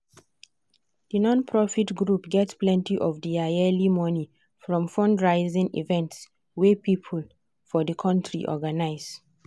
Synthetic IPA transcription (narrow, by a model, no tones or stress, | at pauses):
dənɔ̃npʰɹɔfitɡɹupɡɛtsplɛ̃ntiʔɔvdiaɛlimɔni | fɹɔ̃mfɔ̃ndɹaɪzɪ̃ŋḭvɛ̃nts | wepipʰəl | fɔðəkʰɔ̃ntʰɹḭʔɔ̰ɡanaɪz